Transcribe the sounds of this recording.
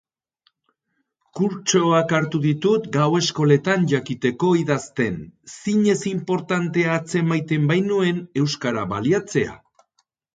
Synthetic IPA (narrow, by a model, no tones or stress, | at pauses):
kuɾt͡ʃo̞akaɾt̪uðit̪ut̪ɡawe̞sko̞le̞t̪anʝakit̪e̞ko̞iðast̪e̞nsiɲe̞simpo̞ɾt̪ant̪e̞aːt͡se̞majt̪e̞mbajnue̞ne̞wskaɾaβa̰liat͡se̞a̰